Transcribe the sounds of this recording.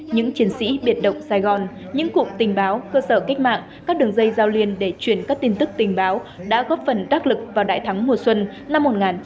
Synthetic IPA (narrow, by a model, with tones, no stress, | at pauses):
ɲɨ̰˧˥ŋt͡ɕi˨˦ənsḭ˧˥ɓi˨˩ət̚ɗə̰˧˨wŋ͡msaː˧jɣɔ˨˩n | ɲɨ̰˧˥ŋkṵ˧˨t̪ï˨˩ŋ̟ɓaː˨˦wkəː˧səː˧˩ka˦˥k̟̚ma̰ː˧˨ŋ | ka˦˥k̚ɗɨ˨˩əŋzə˧jzaː˧wli˧ənɗe˧˩t͡ɕwi˧˩ənkaː˦˥k̚t̪i˧nt̪ɨ˦˥k̚t̪ï˨˩ŋ̟ɓaː˨˦wɗa̰ː˧˥ɣɔ˦˥p̚fə˨˩nɗaː˦˥k̚lɨ˨˩k̚vaː˨˩wɗa̰ː˧˨jt̪ʰa˨˦ŋmu˨˩əswə˧n | na˧mːo˨˩t̚ŋaː˨˩n